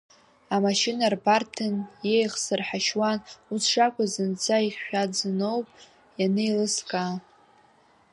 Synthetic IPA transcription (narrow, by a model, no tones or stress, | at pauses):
amaʃinarbartʰɨnje̞jχsɨrħaʃwanusʰʂakʷʼazɨnt͡sʰaiχʃᶣad͡zɨnowpʼ | janejlɨskʼa